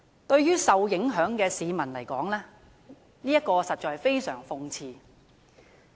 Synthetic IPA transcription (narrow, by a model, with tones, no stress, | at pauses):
t̪ɵ˧ɥɥyː˥sɐ˨wjɪ˨˥ŋɦœː˨˥ŋkɛː˧siː˨˧mɐ˨˩nlɐ˨˩jkɔː˨˥ŋlɛː˥ | niː˥jɐ˥t̚kːɔː˧sɐ˨t̚t͡ʃɔː˨˧jfe˥jsœː˨˩ŋfʊ˧ŋt͡sʰiː˨˧